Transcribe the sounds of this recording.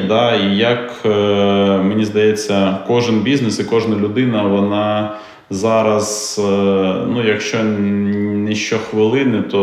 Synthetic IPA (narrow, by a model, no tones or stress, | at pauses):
d̪ɑijɐk | menʲizd̪ɐjɛt͡sʲːɐkɔʒɪnbʲiznɪsɪkɔʒnɐlʲʊd̪ɪnɐʋɔnɑ | zɑɾɐz | nujɐkʃt͡ʃɔ | nɛʃt͡ʃɔxʋɪlˠɪnɪt̪ɔ